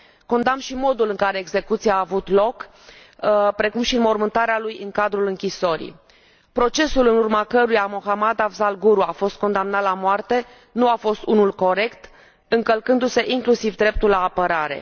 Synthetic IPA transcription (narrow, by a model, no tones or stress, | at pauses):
ko̞nd̪amʃimo̞d̪ulɨŋkaɾe̞ːɡze̞kut̪siaːvut̪lo̞k | pɾe̞kumʃinmo̞rmɨnt̪aɾealujɨŋkad̪ɾulɨŋkʲiso̞ɾḭ | pɾo̞t͡ʃe̞sulɨnurmakəɾujamo̞xamad̪avzalɡuɾuafo̞st̪̚ko̞nd̪amnat̪lamoart̪e̞ | nuafo̞st̪unulko̞ɾe̞kt̪ | ɨŋkəlkɨnd̪use̞ʔiŋklusivd̪ɾe̞p̚t̪ulːaːpəɾaɾe̞̰